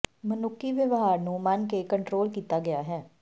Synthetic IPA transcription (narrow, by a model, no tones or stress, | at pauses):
mənʊkːiːʋəʋɦaːɾnũːmankekəɳʈɾoːlkiːt̪aːɡɪaːɦɛː